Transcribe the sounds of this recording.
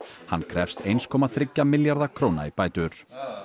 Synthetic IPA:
ha̰nːkʰɾɛfst̪ejnskʰɔːmaθɾɪcːamɪljaɾðakʰɾoːwna̰ipaːjt̪ʏɾ̥

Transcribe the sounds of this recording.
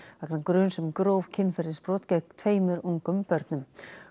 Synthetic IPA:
aknakɾʏːnsɛmkɾoːwvcʰɪnːfɛɾðɪspɾɔːt̪cɛkt̪ʰveːjmʏɾuŋkʏmpœɾt̪nʏm

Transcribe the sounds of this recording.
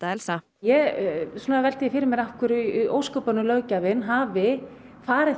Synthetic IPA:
t̪aɛlsa | jɛɣsuːnavɛlt̪ɪjɪfɪɾɪɾmɪɾafkʰʏɾʏʔowskœpanʏlœɥcavɪnɦaːvɪ | faːɾɪ

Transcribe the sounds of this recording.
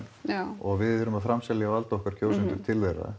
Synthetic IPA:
ɔɣvɪðʏɾʏmaðfɾamsɛljawalt̪ɔhkaɾ̥kʰoːwsɪnt̪ʏɾt̪ʰɪlvejɾa̰

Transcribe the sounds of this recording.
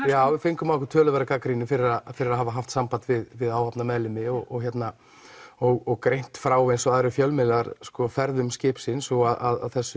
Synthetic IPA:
jaːwɪfejŋkʏmakʏt̪ʰœːlʏvɛɾakakɾinɪfɪɾɪɾaðfɪɾɪɾaɦaːvaɦaft̪sampant̪vɪðvɪðaːwapnamɛðlɪmɪɔɣɔɣçjɛt̪na | ɔɣɔɣkɾejn̥t̪fɾaːwejnsɔaðɾʏɾfjœlmɪlaɾskɔfɛɾðʏmscɪhpsɪnsɔɣaða̰ða̰ðθɛsːʏ

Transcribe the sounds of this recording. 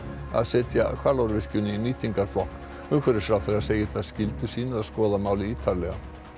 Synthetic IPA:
a̰ðsɛːt̪ja̰kʰvaɾlaɾvɪr̥cʏnːɪiniːt̪ʰiŋkaɾ̥flɔhk | ʏmkʰvɛɾɪɾ̥fɾawθɛɾaðseːjɪθaðscɪlt̪ʏ̥siːnɪaðskɔːðamaːwlɪiːt̪ʰaɾlɛɣa

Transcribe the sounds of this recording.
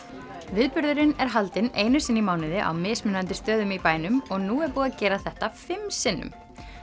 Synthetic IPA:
vɪðpʏɾðʏɾɪnɛɾ̥ɦalt̪ɪneːjnʏsɪnːimaːwnɪðɪʔa̰wmɪːsmɪnːant̪ɪst̪œːðʏmipaːjnʏmɔɣnuːɛɾpuːðacɛːɾaθɛht̪afɪmsɪnːʏ̰m

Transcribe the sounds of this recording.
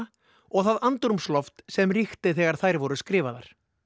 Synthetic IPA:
ɔɣθaðant̪ɾʏmslɔft̪sɛmrixt̪ɪθɛːɣaɾ̥θajɾvɔɾʏskɾɪːvaðaɾ̥

